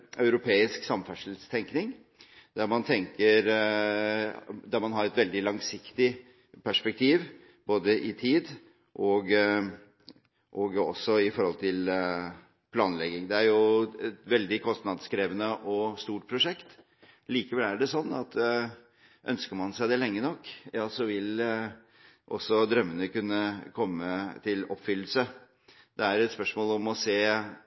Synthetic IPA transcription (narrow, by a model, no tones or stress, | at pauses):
ɑʉɾʊpʰeːɪsksɑmfæʂəlst̪ʰɛŋknɪŋ | d̪æɾmɑnt̪ʰɛŋkəɾ | d̪æɾmɑnɦɑɾɛt̪ʋɛld̪ɪlɑŋsɪkt̪ɪ | pʰæʂpɛk̚t̪ʰiːʋ | boːd̪əʔɪt̪ʰiːd̪ | ʔɔɡ | ʔɔɡɔ̰sːɔɪfɔɾhɔlt̪ʰɪl | pʰlɑːnlɛɡːɪŋd̪ɛæɾjʊɛt̪ʋɛld̪ɪkʰɔst̪nɑd̪skɾeːʋənəʔɔst̪uːʈ̚pʰɾʊʂɛkt̪ | liːkəʋɛlæɖɛsɔnːɑt̪ | ʔœ̰nskəɾmɑnsæɪd̪ɛlɛŋːənɔkːjɑːsɔʋɪl | ʔɔ̰sɔd̪ɾœmːənəkʉnːəkʰɔmːət̪ʰɪlɔpfʏlːəl̩sə | d̪̥ɛæɾɛt̪spœʂmoːlɔmɔseː